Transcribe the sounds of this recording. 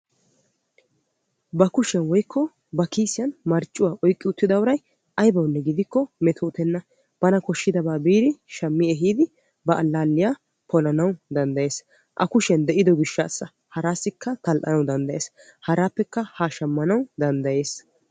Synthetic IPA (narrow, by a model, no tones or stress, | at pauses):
bɐkʊʃɛnwɔjkːɔ | bɐkiːsɪjɐnmɐɾt͡ʃʼːʊwaːʔɔjkʼːɪʊt̪ːɪd̪ɐwʊɾɐj | ʔɐjbɐwnːɛɡɪd̪ɪkːɔmɛt̪ʰɔːt̪ɛnːɐ | b̥ɐnɐkɔʃːɪd̪ɐbaːbiːɾɪʃɐmːɪɛɦiːd̪ɪ | bɐʔɐlːaːlːɪjaː | pʰɔlɐnɐwd̪ɐnd̪ɐje̞ːs | ʔɐ̰kʊʃɛnd̪ɛʔɪd̪ɔɡɪʃːaːsːɐ | hɐɾaːsːɪkːɐt̪ɐlʔɐnɐwd̪ɐnd̪ɐjeːshɐɾaːpːɛkːɐhaːʃɐmːɐnɐwd̪ɐnd̪ɐje̞ːs